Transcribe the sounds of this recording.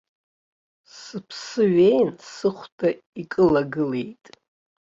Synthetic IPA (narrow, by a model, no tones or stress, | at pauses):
sɨpʰsɨɥejnsɨχʷdʰʼa | ikʼɨlaɡɨle̞jtʼ